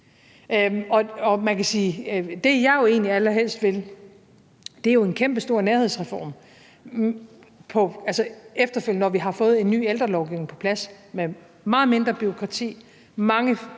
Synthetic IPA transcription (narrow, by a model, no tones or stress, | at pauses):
ɒ̽ɒ̽mænkæsiːd̥e̝jɑ̈ɪjo̝e̝ːnliælɐɦel̰sd̥ʋe̝l | d̥e̝æɐjo̝e̝nkʰemb̥əsd̥o̝ɐ̰neɐheð̰ˠsʁɛfɒ̰ːm | pʰɒ̽ælsəefd̥ɐføl̰nɒʋiɦɑ̈fɔ̽ːð̞̩ˠe̝nːy̰ːeld̥ʁɐlɒʊɡ̥iʊ̰neŋpʰɒ̽pʰlæsme | mɑ̈ːð̩ˠme̝nd̥ʁɐb̥yʁokʰʁɑ̈t͡sʰḭː | mɑ̈ŋə